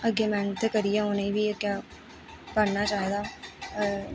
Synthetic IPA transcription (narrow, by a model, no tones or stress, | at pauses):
əɡeːmɛ̃ːnt̪ːeːkəɾijɛːonĩːbiːəɡjaː | pəɾnaːt͡ʃaːɦed̪aː